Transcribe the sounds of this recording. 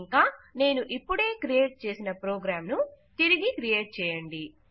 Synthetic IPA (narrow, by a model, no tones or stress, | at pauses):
ŋkaːne̞ːnuʔipːuɽe̞ːkɾije̞ːʈ̚t͡ʃe̞ːsinɐpɾoːɡɾaːmnut̪iɾiɡikɾije̞ːʈ̚t͡ʃɛːjɐɳɖi